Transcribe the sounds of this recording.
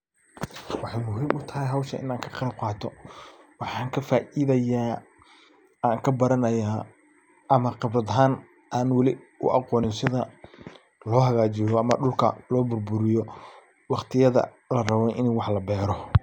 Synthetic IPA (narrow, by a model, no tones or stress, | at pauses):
wɑħɑjmʊɦiːmʊt̪ʰɐɦɛjɦɐwʃɐʔɪ̰naːŋkʰɐ̥qɑɾɐb̚qɑːt̪ʰɔ | wɑħɑːŋkʰɐfaːʔiðɐjaː | aːŋkʰɐbɐɾɐnɐjaː | ʔɐmɐqɑbɾɐðɦaːn | ʔaːnwɑlɪ | ʊ̰ʔɑqɔːnɪnsɪðɐ | lɔːɦɐɣaːt͡ʃɪjɔʔɐmɐ̰ɖʊlkʰɐ̰lɔːbʊrbʊɾɪjɔ | wɑqt̪ʰɪjɐðɐ̰ | lɐrɐβɛʔɪnwɑħlɐbɛːɾɔ